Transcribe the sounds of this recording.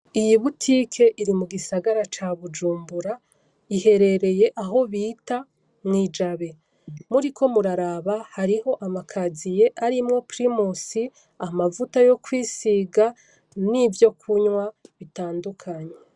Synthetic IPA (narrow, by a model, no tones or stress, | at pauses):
ijiβutʰikʰe̞ʔiɾimuɡisaɡaɾat͡ʃaβud͡ʒuːmbuɾa | ihe̞ɾe̞ɾe̞je̞ʔaɦo̞βiːta | mŋiːd͡ʒaβe̞ | muɾikʰo̞muɾaɾaβahaɾiho̞ʔamakʰazije̞ʔaɾimŋo̞pɾimosi | amavutajo̞kwiːsiɡa | nivjo̞kʰuɲwaβitaːndukʰaɲe̞